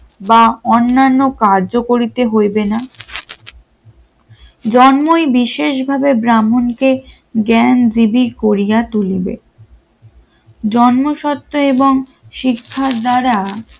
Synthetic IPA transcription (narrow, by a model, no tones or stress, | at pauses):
baonːanːokaɾd͡ʑokoɾit̪eɦojbena | d͡ʑɔnmojbiʃeʃbʱabebɾamonke | ɡɛnd͡ʑibikoɾijat̪ulibḛ | d͡ʑɔnmoʃɔt̪ːoeboŋ | ʃikʰːaɾd̪aɾa